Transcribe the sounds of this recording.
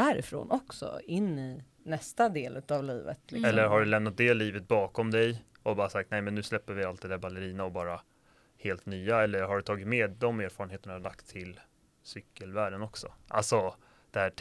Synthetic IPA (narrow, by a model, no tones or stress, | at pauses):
æːɾɪ̰fɾo̰ːnʔɔksɔ̰ɪnːi | nɛst̪ad̪eːlʉ̟ːt̪avliːvə̰t̪lɪɛlːəɾɦaɖɵlɛmn̪at̪̚d̪ɛːliːvət̪̚bɑːkɔmd̪ɛj | ɔbɑːɾasak̚t̪nɛjmɛnːʉ̟ːslɛpːəɾvɪalt̪d̪ɛd̪æːɾbalːəɾiːnaɔbɑːɾa | heːlt̪nyːaɛlːəɾɦaɖɵt̪ʰɑːɡɪt̪meːd̪ːɔmeːɾfɑːɾənheːt̪əɳaad̪akt̪ʰːɪl | sʏkːəlvæːɖənɔksɔ̰ʔa̰lsɔ | d̪̥ɛhæː